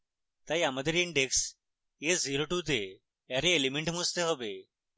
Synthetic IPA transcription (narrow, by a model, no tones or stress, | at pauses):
t̪ɐjaməd̪əɾiɪɳɖeks | eziːɾoːʈuːt̪̬e | eɾeelimẽɳʈmust̪eɦobeː